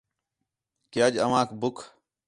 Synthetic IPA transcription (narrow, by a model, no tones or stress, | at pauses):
kɪjaːd͡ʒəʋãːkbʊkʰ